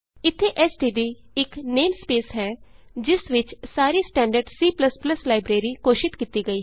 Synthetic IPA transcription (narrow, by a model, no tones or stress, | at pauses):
ɪt̪ʰːeːʔɛsɖiːɖ̪iː | ɪkneːmspeːsɦɛːd͡ʒɪsʋɪt͡ʃsaːɾiːsʈɛ̃ːɳɖəɾɖsiːpləspləslaːɪbɾeːɾiːkoːʃɪt̪kiːt̪iːɡəiː